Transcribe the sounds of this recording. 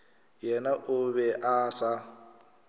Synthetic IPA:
jɛnaʔʊβɛʔaːsa

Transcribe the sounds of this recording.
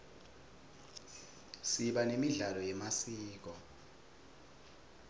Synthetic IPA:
siɓanemiɮalɔjɛmasiːk̬ɔ

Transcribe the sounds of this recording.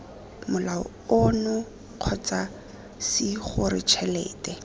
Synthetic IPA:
mʊlaʊ̰ | ʊnʊ | q͡χʰɔt͡sa | sɪχʊɾɪ̰t͡ʃʰɛlɛ̰ːtʼɛ

